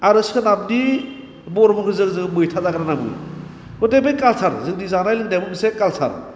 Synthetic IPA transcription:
aɾɯskʰɯnab̚di | bɔɾmɯkʰɯzɯɡzɯɡbɯjtʰazaɡɾanabɯ̰j | kɔtebejkalsʰaɾzɯɡ̚dizanajlɯk̚nabɯbɯsekalsʰa̰ɾ

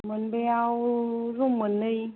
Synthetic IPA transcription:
mənbeawzumənəj

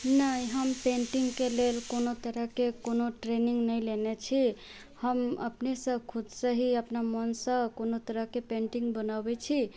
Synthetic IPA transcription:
nəjɦəmpeɳʈiŋɡkelelkonot̪əɾəkekonoʈɾeniŋɡnəjlenet͡ʃʰi | həmə̰pnesə̃kʰud̪səɦiəpnamənsə̃konot̪əɾəkepeɳʈiŋɡbənabet͡ʃʰi

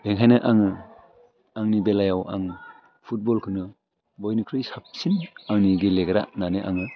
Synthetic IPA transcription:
b̥eŋɦajnɯʔaŋɯ | aŋnibelajawʔa̰ŋ | pʰut̚bɔlkʰɯnɯ | bɔjnɯkʰɾɯjsap̚sinaŋniɡileɡɾa̰ʔnaneʔa̰ŋɯ

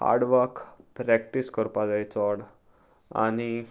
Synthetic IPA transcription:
ha̰ɾɖʋəɾkpɾɛk̚ʈiskəɾpad̪ajt͡sɔɽ | a̰ni

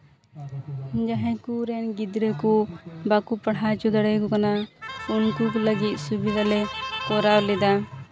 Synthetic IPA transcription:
d͡ʒaɦɛ̃kuɾɛnɡid̪ɾɛkubakupɐɽ̤at͡ʃud̪aɽɛkɔkanaunkukləɡit̪̚ˀsubid̪ʱalɛkɔɾawlɛd̪a

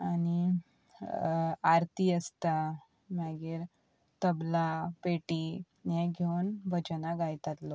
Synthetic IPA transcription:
añi | aɾt̪iəst̪a | maɡiːɾ | t̪əblapeʈi | nẽɡʱewnbəd͡ʑənaɡajt̪at̪lɔ

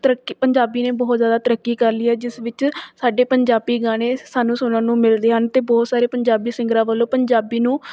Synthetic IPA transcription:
t̪ɾəkipəɲd͡ʒaːbiːneːbɔːt̪zjaːd̪aːt̪əɾəkːiːkəɾliːɛːd͡ʒɪsʋɪt͡ʃsaːɖeːpəɲd͡ʒaːbiːɡaːɽ̃eːsaːnũːsoːnãːnũːmɪld̪eːɦənt̪eːbɔːt̪saːɾeːpəɲd͡ʒaːbiːsɪ̃ŋɡɾãːʋəlːõːpəɲd͡ʒaːbiːnũː

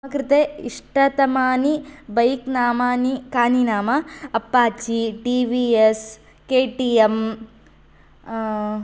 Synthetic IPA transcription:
ɐkɾɪt̪eːiʂʈɐt̪ɐmaːnibɐjknaːmaːnikaːninaːmɐɐpːaːt͡ʃiɖiːʋies | keːʈiːem

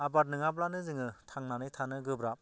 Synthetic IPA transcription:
abat̬̚nɯŋablanɯzɯŋɯtʰaŋnanɯjtʰanɯɡɯbɾap̚

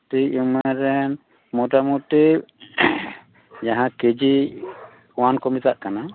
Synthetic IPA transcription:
ʈiumaɾɛn | mɔʈamuʈi | d͡ʒaɦãked͡ʒi | wankɔmit̪aʔkana

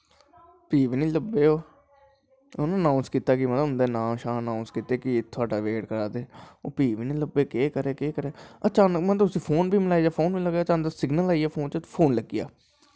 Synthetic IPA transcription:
piːʋnĩːləbːeːoː | ʊnːənãːʊnskiːt̪aːkɪmət̪ləʊnd̪eːnãːmʃãːənãːʊnskiːt̪eːkɪet̪ʰʊaːɖaːʋeːɽkəɾaːd̪eːo̰ːpiːʋnĩːləbːeːkeːkəɾeːkeːkəɾeːət͡ʃaːnəkmə̃t̪ʊsĩːpʰoːnbʱiːməlaːid͡ʒaːpʰoːnbiːləɡaːət͡ʃaːnəsɪɡnəlaːijaːpʰoːnt͡ʃəpʰoːnləɡija̰ː

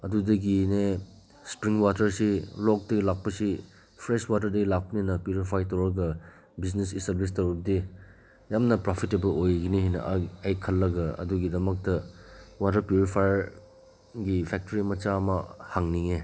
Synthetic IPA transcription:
ɐdudɐɡine | spɾiŋwatɐɾsilɔk̚dɐɡilak̚pɐsi | pʰɾeswatɐɾdɐɡilak̚pɐninɐpjuɾipʰajtɐwɾɐɡɐ | biznesistɐblis̬tɐwɾɐb̚di | jamnɐpɾopʰitːebɐlojɐɡiniɦinɐ̰ʔɐjkʰɐlːɐɡɐɐ̰duɡidɐmɐk̚tɐwatɐɾpjuɾipʰajɾ | ɡipʰɛk̚toɾimɐt͡ʃamɐhaŋniŋe

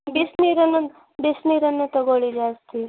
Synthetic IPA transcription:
bisniɾən | bisniɾənːet̪əɡoɭid͡ʒast̪ʰi

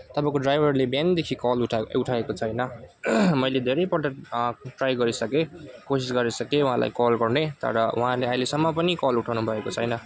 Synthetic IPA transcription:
t̪ʌpãkoɖrajbʱʌrlebjand̪ekʰikʌluʈʰuʈʰaekot͡sʰʌjnʌ | mʌjled̪ʱeɾʌjpʌʈʌʈrajɡʌɾisʌkekosisɡʌɾisʌkew̃ɦãlʔa̰jkɔlɡʌrnet̪ʌ̰ɾʌũɦãleajlesʌmːʌpʌnikʌluʈʰawnubʱʌekot͡sʰʌjnʌ

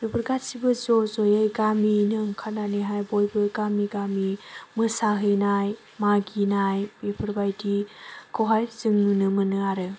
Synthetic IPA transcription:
ɾubɯɾɡatsibɯzɔzojɯjɡaminɯŋkʰananeɦajbojbɯɡamiɡamimɯsaɦɯjnaj | maɡinajbepʰɯɾbajdikʰoɦajzɯŋnunɯmɯnɯaɾɯ

